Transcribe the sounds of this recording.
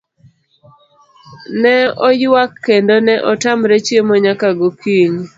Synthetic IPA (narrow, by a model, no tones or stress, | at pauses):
nɛɔjwakːendonɛʔɔtamɾet͡ʃjemɔɲakaɡokiɲ